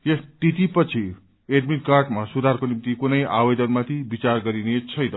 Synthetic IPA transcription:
jesʈit̪ipʌt͡sʰi | eɖmiʈkarʈmasud̪ʱarkonimt̪ikunʌjʔabed̪ʌnmat̪ʰibit͡sarɡʌɾinet͡sʰʌjnʌ

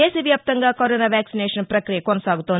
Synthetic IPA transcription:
eːsɐʋjɐp̚t̪ɐŋɡɐkoɾonaːʋæːksineːʂɐnpɾɐkɾijɐkonɐsaːɡut̪on

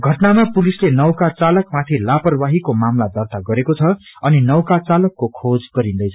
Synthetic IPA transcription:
ɡʱʌʈnamapulislenʌwkat͡salʌkmat̪ʰilapʌrbaɦikomamlad̪ʌrt̪aɡʌɾekot͡sʰʌʌninʌwkat͡salʌkːokʰod͡zɡʌɾĩnd̪ʌjt͡sʰʌ

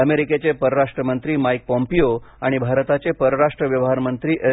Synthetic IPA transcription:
əmeɾiket͡sepəɾəɾaʂʈɾəmənt̪ɾiːmajk̚pɔmpioaɽ̃ibʱaɾt̪at͡ɕepəɾəɾaʂʈɾəʋjəʋɦaɾmənt̪ɾiːʔe

